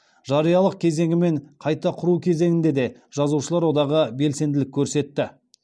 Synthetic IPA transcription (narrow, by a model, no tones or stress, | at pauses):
ʒɑɾijɑlˠəq̚kʲʰe̞ze̞ŋʲɪme̞ɴqʰɑjt̪ɑqʰʊɾukʲʰe̞ze̞ŋɪnd̪e̞d̪e̞ʒ̥ɑzuʃəlˠɑɾwo̞d̪ɑʁəbe̞lse̞nd̪ɪlɪkʲʰːɵɾse̞t̪ːɪ